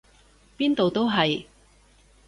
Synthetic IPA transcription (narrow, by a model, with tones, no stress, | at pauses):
piː˥nt̪o˨wt̪o˥wɦɐ˨j